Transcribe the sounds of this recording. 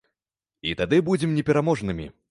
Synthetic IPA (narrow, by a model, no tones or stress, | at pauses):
it̪ad̪ɨbud͡zʲɛmnʲɛpʲɛɾamɔʐnɨmʲḭ